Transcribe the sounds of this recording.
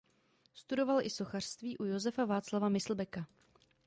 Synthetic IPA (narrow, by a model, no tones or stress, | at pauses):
st̪udo̞valʔɪso̞xar̥st̪viːʔujo̞zɛfavaːt͡slavamɪsl̩bɛka